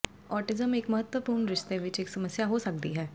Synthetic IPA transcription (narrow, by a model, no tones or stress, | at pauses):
ɔːɾʈɪzəmeːkmɐɦət̪wəpuːɾɳɾɪʃt̪eʋɪt͡ʃeːksɐməsjaɦosək̚d̪iɦɛː